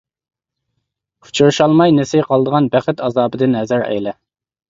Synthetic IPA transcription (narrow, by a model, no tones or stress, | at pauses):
u̥t͡ʃʰuɾʃɑlˠmɑjnesɪqʰɑlˠəd̪əʁɑnbæχɪt̪ɑzɑːbɨd̪ɪnhɛzæɾɛ̰jlɛ